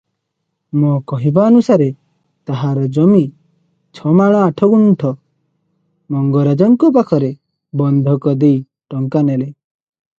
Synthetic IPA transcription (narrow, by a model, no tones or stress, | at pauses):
mokɔɦibaɔnusaɾe | t̪aɦaɾɔd͡ʒɔmi | t͡ʃʰɔmaɽ̃ɔaʈʰɔɡuɳʈʰɔ | mɔŋɡɔɾad͡ʒɔŋkɔp̬akʰɔɾe | bɔnd̪ʱɔkɔd̪ej | ʈɔŋkanele